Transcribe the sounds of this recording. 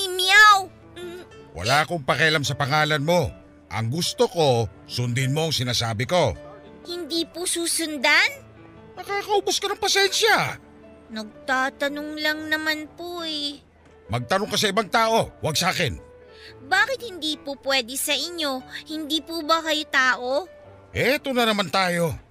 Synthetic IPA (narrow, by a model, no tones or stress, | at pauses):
imiaw | wʔɐ̰laːɐko̞ŋpɐkɐʔɐlamsɐpɐŋaːlɐnmo̞ | ʔɐ̰ŋɡust̪oko̞ | sʊnd̪ɪnmo̞ɐŋsɪnaːsaːbɪko̞ | hɪnd̪iːposuːsʊnd̪an | mɐkaːkɐʊbʊskɐnɐŋpɐsɛnʃjɐ | nɐɡ̚t̪aːt̪ɐnoŋlɐŋnɐmanpoɛ | mɐɡ̚t̪ɐnoŋkɐs̬ɐɪbɐŋt̪aːʔo̞wʔɐɡ̚saːkɛn | baːkɪt̪̚hɪnd̪iːpopwɛd̪ɛsɐʔɪɲːo̞hɪnd̪iːpubɐkɐjot̪aːʔo̞ | ʔɛːt̪o̞nɐnɐmant̪aːjo̞